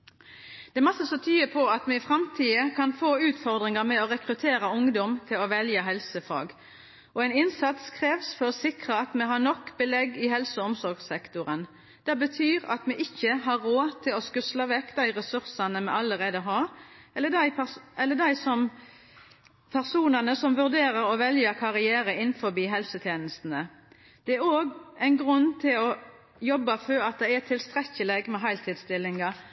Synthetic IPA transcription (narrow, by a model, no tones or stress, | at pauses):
d̪̥ɛɛmɑsːəsɔt̪ʰyːəpʰɔɑt̪mɛɪfʁɑmt̪ʰiːəkʰɑnfoːʉːt̪fɔʁd̪ʁɪŋɑmɛɔɾɛkʁʉt̪ʰeːɾɑʊŋd̪ɔmt̪ʰɪlɔʋɛljəɦɛlsəfɑ̰ːɡ | ɔæɪnɪnsɑt̪skʰʁeːʋsfɔɾɔsɪkʁəɑt̪mɛɦɑnɔkːbəlɛɡɪɦɛlsəɔmsɔɾɡsɛkt̪ʊɾən | d̪̥ɛbət̪ʰyːʁɑ̰t̪mɛʔɪçːəɦɑɾoːt̪ʰɪlɔskʉslɑʋɛkːd̪æɪʁɛsʉɾsɑnəmɛɑlːəʁeːd̪əɦɑːɛlːəd̪æɪʔɛlːəd̪æɪsɔm | pʰæʁsuːnɑnəsɔmʋʉʁd̪eːʁəɾɔʋɛljəkʰɑʁɪæːɾəɪnfɔbiːɦɛlsət̪ʰjeːnəst̪n̩ə | d̪̥ɛæɾoːɡæɪnɡʁʉnt̪ʰɪlɔ | jɔbːɑføːɾɑt̪̚d̪æɪæt̪ʰɪlst̪ʁɛçːəlɛɡmɛɦɑɪlt̪ʰiːd̪st̪ɪlːɪŋɑ